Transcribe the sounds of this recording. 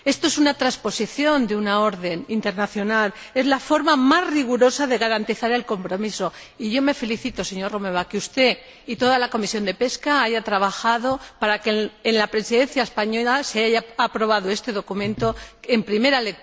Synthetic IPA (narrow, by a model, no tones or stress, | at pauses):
e̞st̪oe̞sunat̪ɾaspo̞siθjo̞nd̪eunao̞ɾðe̞nint̪e̞ɾnaθjo̞nal | e̞zlafo̞ɾmamazriɣ̞uɾo̞saðe̞ɣaɾant̪iθaɾe̞lko̞mpɾo̞miso̞ | iʝo̞me̞fe̞liθit̪o̞se̞ɲo̞rome̞β̞akeust̪e̞ | it̪o̞ðalako̞misjo̞nd̪e̞pe̞skaaʝat̪ɾaβ̞axaðo̞paɾakeenlapɾe̞siðẽ̞nθjaespaɲo̞laseajaːpɾo̞β̞að̞oe̞st̪e̞ðo̞kumẽ̞nt̪o̞e̞mpɾime̞ɾalek